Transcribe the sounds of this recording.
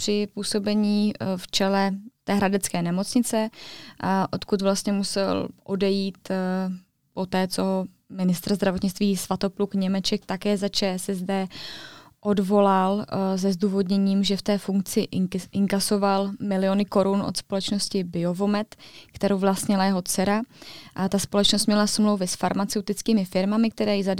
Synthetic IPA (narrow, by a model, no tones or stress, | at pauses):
pr̥ɪpuːso̞bɛɲiːft͡ʃɛlɛt̪ɛːɦɾadɛt͡skɛːnɛmo̞t͡sɲɪt͡sɛ | ʔo̞t̪kut̪vlast̪ɲɛmusɛlʔo̞dɛjiːt̪ | po̞t̪ɛːt͡soɦ | mɪnɪst̪ɾ̩zd̪ɾavo̞t̪ɲɪt͡st̪viːsvat̪o̞plukɲɛmɛt͡ʃɛk̚t̪akɛːzat͡ʃɛːsɛzdɛ | ʔo̞dvo̞lalzɛzd̪uːvo̞d̪ɲɛɲiːmʒɛft̪ɛːfuŋk̚t͡sɪʔɪŋkaso̞valmɪlɪo̞nɪko̞ɾunʔo̞̰t̪spo̞lɛt͡ʃno̞scɪbɪo̞vo̞mɛt̪kt̪ɛɾowvlast̪ɲɛlajɛɦot͡sɛɾat̪aspo̞lɛt͡ʃnost̪mɲɛlasmluwvɪsfaɾmat͡sɛwt̪ɪt͡skiːmɪfɪɾmamɪk̚t̪ɛɾɛːjɪzad